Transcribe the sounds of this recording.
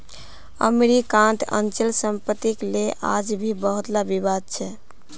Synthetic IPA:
ə̰meɾikant̪ʰə̰nt͡ʃilsəmpət̪ːikleʔa̰d͡ʒbʱibəɦut̪labibad̪̚t͡ʃʰɛ

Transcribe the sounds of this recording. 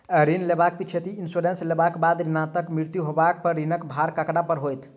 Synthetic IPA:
əɾinlebak̚pit͡ʃʰet̪iinsoɾenslebakbad̪ɾinat̪əkmɾiɾt̪juɦobak̚pəɾɾinəkbʱaɾkəkɽapəɾɦojt̪ʰ

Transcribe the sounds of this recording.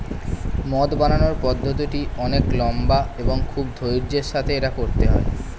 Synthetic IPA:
mɔd̪bananoɾpɔd̪ʱːot̪̬iʈiɔneklɔmbaeboŋkʰubd̪ʱojɾd͡ʑeɾʃat̪ʰeeʈakoɾt̪eɦɔe

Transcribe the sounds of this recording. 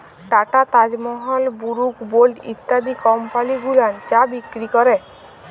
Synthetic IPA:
ʈaʈat̪ad͡ʑmɔɦɔlbuɾukbolʈḭt̪ːad̪ikɔmpaliɡulant͡ɕabikːɾikɔɾe

